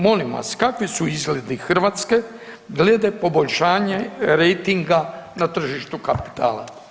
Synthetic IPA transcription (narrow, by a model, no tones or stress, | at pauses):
mo̞limʋa̰skakʋisuizɡled̪ixr̩ʋaːt̪ske̞ | ɡled̪epo̞bo̞ʎʃaːɲe̞ɾejt̪iŋɡanat̪r̩ʒiʃt̪ukapi̥t̪ʰa̰ːlˠa̰